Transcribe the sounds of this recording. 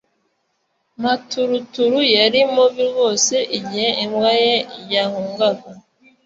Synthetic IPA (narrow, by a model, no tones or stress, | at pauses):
matuɾutuɾujaɾimoβiɾɡo̞se̞ʔiɟiheʔimwajejahuːŋɡaɡa